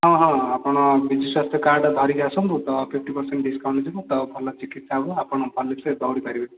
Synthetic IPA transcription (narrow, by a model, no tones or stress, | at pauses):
ɦɔ̃ɦɔ̃apɔɽ̃ɔbid͡ʒiswast̪ʰjɔkaɾɖd̪ʱɔɾikasɔ̃mbut̪ɔpʰip̚ʰʈipɔɾseɳʈɖiskawɳʈd͡ʒibut̪ɔpʰɔlːat͡ʃikit̪sabuapɔɽ̃ɔpʰɔlːeksed̪ɔwɽipaɾibe